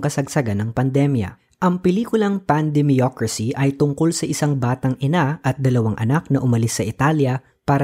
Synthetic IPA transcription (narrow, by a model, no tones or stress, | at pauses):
ŋkɐsɐɡsɐɡanːɐŋpɐnd̪ɛmjɐ̰ | ʔɐŋpɪliːkʊlɐŋpand̪ɛmiokɹɐsiʔɐjt̪ʊŋko̞lsɐʔɪsaŋbaːt̪ɐŋʔɪnaʔɐt̪̚d̪ɐlɐwaŋʔɐnak̚nɐʔʊmɐlɪsːɐʔɪt̪aljɐ | paːɾɐ